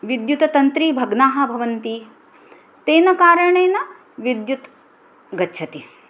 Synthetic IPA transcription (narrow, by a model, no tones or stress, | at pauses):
ʋid̪jut̪ɐt̪ɐnt̪ɾiːbʱɐɡnaːɦɐ̆bʱɐʋɐnt̪i | t̪eːnɐkaːɾɐɳeːnɐ | ʋid̪jut̪ | ɡɐtːt͡ʃʰɐt̪i